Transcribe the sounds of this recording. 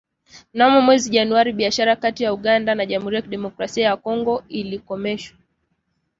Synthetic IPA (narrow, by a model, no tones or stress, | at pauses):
namɔmwɛziʄanuaɾiɓiaʃaɾakatijauɠandanaʄam̩huɾijakiɗɛmɔkɾasiajakɔŋɡɔilikɔmɛʃwḁ